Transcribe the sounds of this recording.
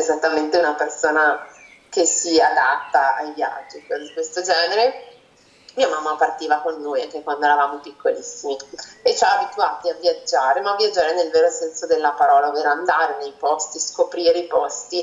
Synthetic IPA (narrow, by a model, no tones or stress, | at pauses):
ezat̪ːament̪eunapersoːna | kesiad̪at̪ːaajvja̰d͡ʒːiked̪ikwest̪od͡ʒɛːneɾe | miːamamːapart̪iːvakonːujaŋk̟ekwand̪oɛɾavaːmopikːolisːimiet͡ʃaabit̪uaːt̪iavjad͡ʒːaːɾemaːvjad͡ʒːaːɾenelveːɾosɛnsod̪elːapaɾɔːlaoveːɾoand̪aːɾenejpɔst̪iskopɾiːɾeipɔst̪i